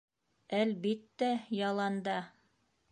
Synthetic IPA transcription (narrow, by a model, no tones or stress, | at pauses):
ælβit̪ːæjɑlˠɑnd̪ɑ